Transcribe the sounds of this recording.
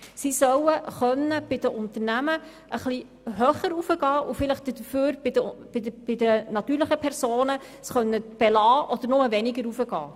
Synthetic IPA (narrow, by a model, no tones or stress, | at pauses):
sisœwəχœnːəb̥ɪd̥̪əʔʊnt̪əɾnæmə | ʔəχli | ɦœχəɾufəɡɑːʔufɪləχd̪əd̪əføːɾbɪdəb̥ɪb̥ɪd̪ənɑt̪yːɾləχəpʰɛɾsoːnə | sχœnːəb̥ɛlɑːʔɔd̪əɾnʊməvɛnɪɡəɾufəɡɑ̰ː